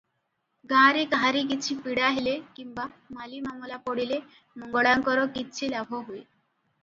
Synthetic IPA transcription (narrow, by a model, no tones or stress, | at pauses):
ɡaɾikaɦaɾik̬it͡ɕʰipiɽaɦelekimbamalimamɔlapɔɽile | mɔŋɡɔɽaŋkɔɾɔkit͡ɕʰilabʱoɦoj